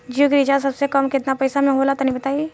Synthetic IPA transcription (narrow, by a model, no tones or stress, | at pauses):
d͡ʒikɾid͡ʒas̬ɐbsekəmkɪt̪napɐɪsamẽɦoːlat̪anɐɦĩbɐt̪aːi